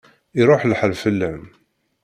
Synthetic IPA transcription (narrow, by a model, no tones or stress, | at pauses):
iɾˤʊħlħəlfəlːæm